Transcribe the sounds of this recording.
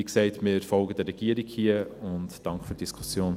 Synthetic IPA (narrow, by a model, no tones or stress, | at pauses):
iksɛɪtmɪɾfɔlɡədɛrɾɛɡ̥iːəɾiɡhiəʊntd̥ɑŋkfyːɾd̥iskʰu̥sjoːn